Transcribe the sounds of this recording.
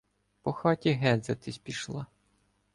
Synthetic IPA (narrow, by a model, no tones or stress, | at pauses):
pɔxɑtʲiɦɛd̪zɐt̪ɪsʲpʲiʃlˠɑ